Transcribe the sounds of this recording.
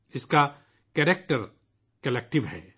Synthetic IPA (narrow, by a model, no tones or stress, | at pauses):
ɪska | kɛːɾek̚ʈəɾ | kɐlɛk̚ʈɪʋɦɛ̰ː